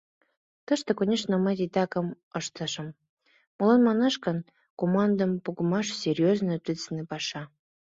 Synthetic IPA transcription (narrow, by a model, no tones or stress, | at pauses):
t̪əʃt̪ĕkonʲeʃnəmɑt̪ʲit̪ɑkə̆m | əʃt̪ə̆ʃə̆m | mŏlɑnmɑnɑʃkən | komɑnd̪əmpuɣəmɑʃsʲerʲjoznət̪it͡snepɑʃɑ